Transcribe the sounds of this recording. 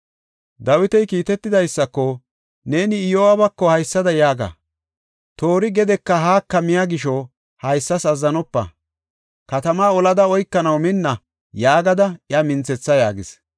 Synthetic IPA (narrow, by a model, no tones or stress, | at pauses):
d̪ɐwɪt̪ɛjkiːt̪ɛt̪ːɪd̪ɐjsːɐkːɔ | ne̞ːnɪːjowɐbɐkːɔhɐjsːɐd̪ɐjaːɡɐ̰ | t̪o̞ːɾɪɡɛd̪ɛkːɐɦaːkːɐmɪjaɡɪʃɔ | hɐjsːɐsɐzːɐnɔpːɐ̰ | kɐt̪ɐmaːɔlɐd̪ɐɔjkːɐnɐwmɪnːɐ | jaːɡɐd̪ɐɪɐmɪnt͡sːɛt͡sːɐjaːɡɪs